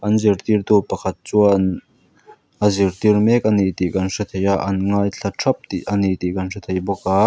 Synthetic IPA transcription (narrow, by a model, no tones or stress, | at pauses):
ʔɐnzirt̪irt̪upɐkʰɐt̪̚t͡suɐn | ʔɐzirt̪irmɛk̚ɐnit̪ikɐnʂɐt̪ʰejaʔɐnŋaːjɬʰɐtʰrɐp̚t̪iʔɐnit̪ikɐnʂɐt̪ʰejbɔkaː